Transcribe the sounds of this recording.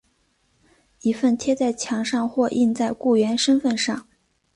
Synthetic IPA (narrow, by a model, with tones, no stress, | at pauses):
i˧˥fə˥˩nt̪ʰjɛ˥t͡sa˥˩ɪt͡ɕʰjɑ˧˥ŋʂɑ˥˧ŋxwɔ˥˧ʔi˥˧nt͡sa˥˧ɪku˥˩ɥɛ˧˥nʂə˥nfə˥˧nʂɑ˥˩ŋ